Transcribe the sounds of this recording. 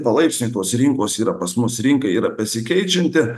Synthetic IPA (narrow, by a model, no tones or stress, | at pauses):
pɐlˠɐɪpʲsʲnʲʊɪt̪oːsɾʲɪŋkoːsiːɾɐpɐsmʊsɾʲɪŋkɐiːɾɐpʲɛsʲɪkʲɛɪt͡ʃʲɪnʲt̪ʲɪ